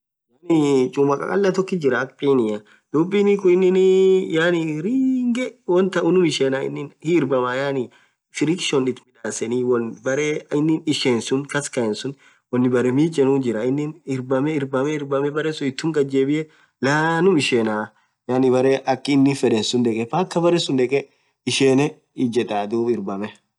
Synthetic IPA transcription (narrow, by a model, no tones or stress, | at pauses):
janit͡ʃʼʊmɐkʼɐ̰kʼɐ̰lːɐt̪ɔkːɪd͡ʒɪɾɐːkpʼiːnɪjɐ | d̪̥ubːinɪkʊɪnːɪnjaːniɾiːŋɡɛwɔnt̪ɐʔʊnʊmɪʃeːnaɪ̰nːɪnhɪːɾbɐmajaːni | fɪɾɪkʃɔnɪt̪mɪlaːsɛniːwɔnbɐɾeɪnːɪnɪʃeːnsʊnkɐskɐɛnsʊn | wɔnːɪbɐɾɛmiːd͡ʒʼɛnuːnd͡ʒɪɾɐɪnːɪnɪɾbɐmɛɪɾbɐmɛɪɾbɐmɛbɐɾɛsʊnɪt̪ːʊŋɡʼɐd͡ʒeːbɪʔɛ | laːnʊmɪʃeːnaː | jaːnɪbɐɾeʔɐkːɪnːɪfɛᶑɛnsʊnd̪ɛkʼɛfaːkːɐbɐɾɛsʊnd̪ɛkʼɛ | ɪʃeːnɛ | ɪd͡ʒɛᶑaːd̪uːbɪɾbɐmɛ